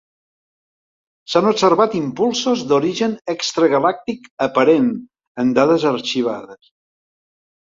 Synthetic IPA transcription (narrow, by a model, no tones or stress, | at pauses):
sanupsəɾβat̪impulˠsozd̪oɾiʒənɛkst̪ɾəɣəlak̚t̪ikəpəɾen | ənd̪aðəzəɾt͡ʃiβ̞a̰ðəs